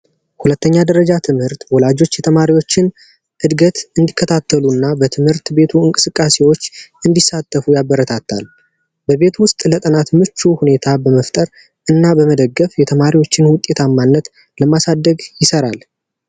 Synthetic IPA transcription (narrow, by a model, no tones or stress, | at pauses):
hulət̪ːəɲːad̪əɾəd͡ʒat̪ʰɨmhɨɾt̪wɔlad͡ʒo̞t͡ʃːjɛt̪ʰəmaɾiwo̞t͡ʃːɪn | ʔɨd̪ɡət̪ɨnd̪ikʰːət̪ʰat̪ʰːəlunːabət̪ʰɨmhɨɾt̪be̞t̪ʰuɨŋkʼɨsɨkʼːase̞wo̞t͡ʃːɨnd̪isːat̪ʰːəfujabːəɾət̪ʰat̪ʰːa̰l | bəβe̞t̪wʊst̪ʼlət̪ʼənat̪mɨt͡ʃːuhune̞t̪ʰabəməft̪ʼəɾ | ʔɨnːabəməd̪əɡːəfjɛt̪ʰəmaɾiwo̞t͡ʃːɪnwʊt̪ʼe̞t̪ʰamːanːət̪ | ləmasad̪ːəɡjɪsəɾal